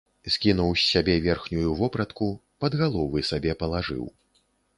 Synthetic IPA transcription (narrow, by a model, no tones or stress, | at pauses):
sʲkʲin̪uwsʲːabʲɛvʲɛrxnʲujuvɔpɾɐt̪ku | pɐd̪ɣalˠɔvɨsabʲɛpɐlˠaʐɨ̰w